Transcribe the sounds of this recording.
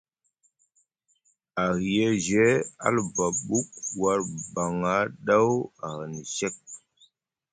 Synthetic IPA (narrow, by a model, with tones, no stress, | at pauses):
a˨ɣje˦ʒe˨˦a̰˦lba˨ɓu˦k̚wa˦ɾba˨ŋa˨˦ɗa˦wa˨ɣni˨sɛ˦k̚